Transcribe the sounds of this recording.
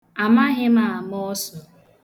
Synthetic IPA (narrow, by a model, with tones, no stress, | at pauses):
a˨ma˦ɦɪ˦ma˨a˨mɔ˦sɔ˨